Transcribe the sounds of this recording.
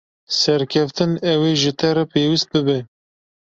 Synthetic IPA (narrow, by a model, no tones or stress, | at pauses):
sɛɾkʰɛft̪ɨnɛweːʒɨt̪ʰɛɾɛpʰeːwist̪̚bɨbɛ